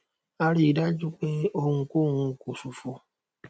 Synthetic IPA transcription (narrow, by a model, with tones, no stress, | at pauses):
a˦ɾi˨da˦d͡ʒu˦k͡pe˦o˦ŋ̩˨ku˦˨ŋʷũ˨˦ku˨su˨fo˦